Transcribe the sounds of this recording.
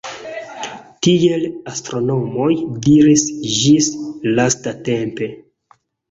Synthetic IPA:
tie̞lastɾo̞no̞mo̞jdiɾisd͡ʒislastate̞mpe̞

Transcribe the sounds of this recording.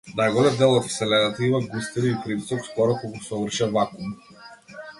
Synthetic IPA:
najɡɔd̪ɛd̪ɛlˠɔt̪sɛlɛd̪at̪imaɡust̪iɾiipɾit̪i̥sɔkskɔɾɔkɔɡusɔvr̩ʃavakum

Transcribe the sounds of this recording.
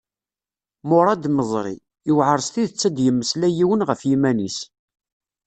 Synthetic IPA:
mʊɾˤɑd̪məzˤɾˤḭ | ɪwʕəɾˤst̪iðət͡sːæd̪jəmːəslæjiwənʁəfjimænis

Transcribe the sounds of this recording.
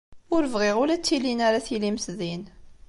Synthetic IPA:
ʊɾəvʁɪʁʊlæt͡sːilinaɾaθilimsðin

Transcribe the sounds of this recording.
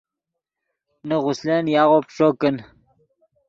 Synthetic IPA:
nəʁʊsleːnjaːʁopʂoːkən

